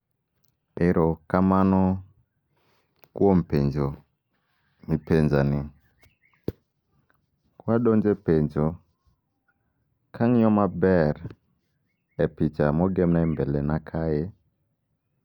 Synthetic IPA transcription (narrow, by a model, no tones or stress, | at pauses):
eɾɔkamanɔ | kwɔm̩pend͡ʒo | mipend͡ʒanɪ | kwaɗɔnd͡ʒɛpeɲd͡ʒo | kʰaŋɔmabɛɾ | ɛpit͡ʃamɔɡɛmnambɛlɛnakʰaje